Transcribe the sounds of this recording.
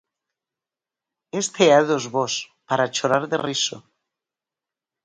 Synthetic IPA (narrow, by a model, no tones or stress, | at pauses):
est̪eaðozβos | paɾat͡ʃoɾaɾðḛriso